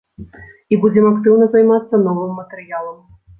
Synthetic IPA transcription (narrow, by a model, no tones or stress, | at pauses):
ibud͡zʲɛmɐkt̪ɨwnɐzɐjmat̪sːɐnɔvɨmːɐt̪ɛɾɨjalˠɐm